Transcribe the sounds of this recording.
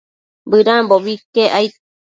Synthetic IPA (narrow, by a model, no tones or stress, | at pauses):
bɨɾãboβikeʔajt̪